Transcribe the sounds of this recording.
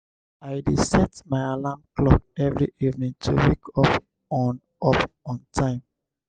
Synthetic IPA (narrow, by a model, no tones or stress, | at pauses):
aɪdisɛtmaɪalamklɔk̚ɛvɹiʔivnĩŋtʰṵwikʰɔp | ɔn | ɔpɔ̃ntʰãɪ̃m